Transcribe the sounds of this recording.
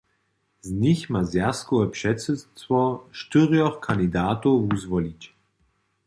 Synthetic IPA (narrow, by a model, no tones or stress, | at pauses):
zniçmazjaskɔɛpʃɛtsɛtvɔʃtyʁjɔxkʰand̪id̪aːtuvuzvɔlit͡ɕ